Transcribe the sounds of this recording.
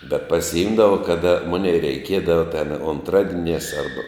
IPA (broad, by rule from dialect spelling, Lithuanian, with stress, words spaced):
bʲɛt pɐsʲɪˈɪmdɐʋɐ ˈkɑːdɐ ˈmʊnʲɛɪ rʲɛɪˈkʲiɛdɐʋɐ tʲɛn ʊnˈtrɑːdʲiɛnʲæːs ˈɐrbɐ